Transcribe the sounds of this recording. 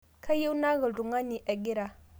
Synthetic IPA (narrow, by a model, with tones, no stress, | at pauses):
ka˦je˦wna˦ɣə˨du˨ŋa˦ni˨ʔa˨ɡi˦ɾa˦